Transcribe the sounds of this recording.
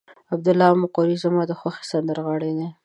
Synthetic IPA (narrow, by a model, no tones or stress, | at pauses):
ab̚d̪ʊlɑmʊqoɾizamɑd̪əxwaxe̥sand̪əɾɣɑɽed̪e